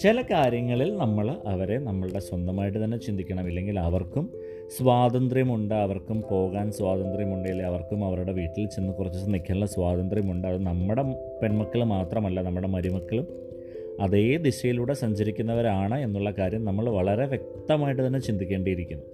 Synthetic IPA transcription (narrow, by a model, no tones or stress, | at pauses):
t͡ɕelɐkaːɾjɐŋːɐɭilnɐmːɐɭɐʋɐɾe̞nɐmːɐɭuɽe̞swɐnd̪ʱɐmaːjiʈ̬ːɨt̪ɐnːe̞t͡ɕind̪ikʲːɐɳɐmilːe̞ŋɡilɐʋɐrkum | swaːd̪ɐnd̪rjɐmuɳɖɨɐʋɐrkumpo̞ːɣaːnsʋaːd̪ɐnd̪rjɐmuɳɖejilːeɐʋɐrkumɐʋɐɾuɽe̞ʋiːʈːilt͡ɕenːɨkurɐt͡ɕːunikʲʰːɐlːɐsʋaːd̪ɐnd̪rjɐmuɳɖɨɐðɨnɐmːuɽe̞ | pe̞nmɐkːɐɭmaːt̪rɐmɐlːɐnɐmːuɽe̞mɐɾimɐkːɐɭum | ɐðe̞ːd̪iɕɐjiluːɽe̞sɐɲd͡ʑɐɾikʲːunːɐʋɐɾaːɳɨe̞nːuɭːɐkaːɾjɐmnɐmːɐɭʋɐɭɐɾe̞ʋjek̚t̪ɐmaːjiʈːɨt̪ɐnːe̞t͡ɕind̪ikʲːe̞ːɳɖijiɾikʲːunːu